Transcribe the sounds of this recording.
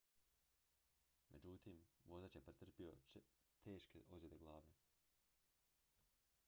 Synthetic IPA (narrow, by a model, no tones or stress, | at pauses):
mʔḛd͡ʑut̪imʋo̞zat͡ʃjepɾet̪r̩pio̰t̪ʰeːʃkeʔozjed̪eɡlˠaːʋe